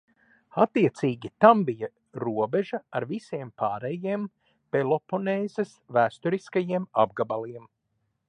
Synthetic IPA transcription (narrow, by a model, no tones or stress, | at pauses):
at̪ːiɛt̪siːɡʲit̪ambija | ɾuɔbeʒɐaɾvisiɛmpaːɾɛjiɛm | pelˠɔponɛːzɛsvæːst̪uɾiskajiɛmab̚ɡabalˠiɛm